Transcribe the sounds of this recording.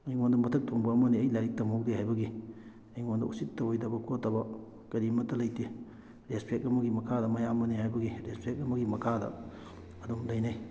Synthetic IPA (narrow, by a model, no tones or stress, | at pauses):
ɐjŋondɐmɐtʰɐk̚tʰoŋbɐːmɐniɐjlajɾik̚tɐmok̚deɦajbɐɡi | ɐjŋondɐusittːɐwjdɐbɐkʰotːɐbɐ | kɐɾimɐtːɐlɐjte | ɾespʰek̚ɐmɐɡimɐkʰadɐmɐjamɐnihajbɐɡiɾespʰek̚ɐmɐɡimɐkʰadɐ̰ | ɐdomdɐjnaj